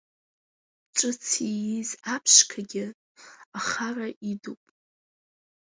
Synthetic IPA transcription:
ʈ͡ʂʼɨt͡sʰijizapʰʂkʰaɡʲɪ | aχaraʔidupʼ

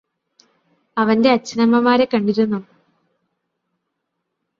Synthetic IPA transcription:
ɐʋɐnde̞ɐt͡ɕːɐnɐmːɐmaːɾekɐɳɖiɾunːu

